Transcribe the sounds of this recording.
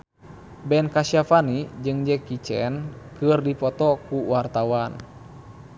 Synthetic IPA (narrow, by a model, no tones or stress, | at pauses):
bɛnkasiafanid͡ʒɨŋd͡ʒɛkit͡ʃɛ̰nkɨrdipɔt̪ɔkuwart̪awan